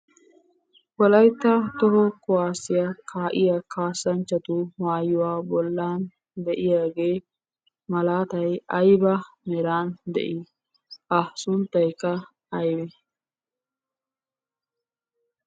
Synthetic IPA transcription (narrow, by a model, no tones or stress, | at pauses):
wɔlɐjt̪ːɐt̪ɔɦɔkʊwaːsɪjɐkʰaːʔɪjɐkʰaːsːɐnt͡ʃːɐt̪ʊwaːjːʊwaːbɔlːaːn | d̪ɛʔɪjaːɡeː | mɐlaːt̪ɐjɐjbɐmɛɾaːnd̪ɛ̰ʔɪ | ɐsʊnt̪ːɐjkːɐ | ɐjbɛ